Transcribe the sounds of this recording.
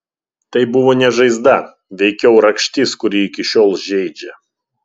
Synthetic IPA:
t̪ɐɪbʊʋoːnʲɛʒɐɪzd̪ɐ | ʋʲɛɪkʲɛʊɾɐkʃʲt̪ʲɪskʊɾʲiːɪkʲɪʃʲoːlˠʒʲɛɪd͡ʒʲɛ

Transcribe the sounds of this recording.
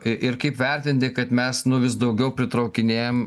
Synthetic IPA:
ɪʔɪɾkɐɪpʋʲɛɾʲt̪ʲɪnʲt̪ʲɪkɐt̪mʲɛsnʊʋʲɪs̬d̪ɐʊɡʲɛʊpʲɾʲɪt̪ɾɐʊkʲɪnʲeːjom

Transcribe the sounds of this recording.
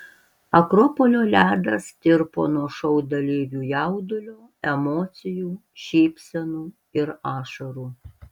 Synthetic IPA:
ɐkɾɔpɔlʲoːlʲæːd̪ɐst̪ʲɪɾpo̰ːnuɔʃɐʊd̪ɐlʲiːjʲuːjæʊd̪ʊlʲoː | ɛmɔːt̪sʲɪjuː | ʃʲiːpʲsʲɛnuː | ɪɾɑːʃɐɾuː

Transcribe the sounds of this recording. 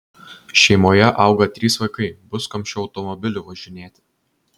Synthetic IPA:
ʃʲɛɪmoːjɛʔɐˑʊɡɐt̪ʲɾʲiːsʋɐɪkɐɪbʊskɐmʲʃʲʊʊt̪ɔmɔbʲɪlʲʊʋɐʒʲɪnʲeːt̪ʲ

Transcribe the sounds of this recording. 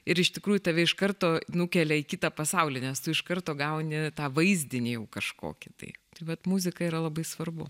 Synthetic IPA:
ɪɾɪʃt̪ʲɪkɾuːjʊt̪ɐʋʲɛɪʃkɐrt̪oːnʊkʲɛlʲɛikʲiːt̪ɐpɐsɐʊlʲɪnʲɛst̪ʊɪʃkɐrt̪oːɡɐʊnʲɪt̪ɑːʋɐɪzʲd̪ʲɪnʲɪjɛʊkɐʃko̰ːkʲɪt̪ɐ̰ɪt̪ɐɪʋɐt̪muzʲɪkɐiːɾɐlˠɐbɐɪsʋɐrbʊ̰

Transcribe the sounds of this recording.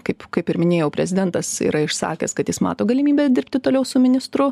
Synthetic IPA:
kɐɪpkɐɪpɪɾmʲɪnʲeːjɛʊpʲɾʲɛzʲɪd̪ʲɛnt̪ɐsḭːɾɐɪʃsɑ̰ːkʲɛ̰skɐt̪jɪsmɑ̰ːt̪oːɡɐlʲɪmʲiːbʲeːd̪ʲɪɾʲpʲt̪ʲɪt̪oːlʲɛʊsʊmʲɪnʲɪst̪ɾʊ

